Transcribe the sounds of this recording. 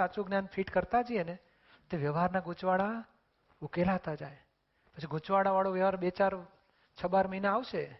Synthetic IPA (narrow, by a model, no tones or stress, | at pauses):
at͡ʃuɡnjanfʰiʈkəɾt̪ad͡ʒiene | t̪eʋjəʋɦaɾnaɡut͡ʃʋaɭa | ukelat̪ad͡ʒaj | pət͡ʃʰiɡʱut͡ʃʋaɽaʋaɭoʋjəʋaɾbet͡ʃaɾ | t͡ʃʰəbaɾməɦinaaʋʃe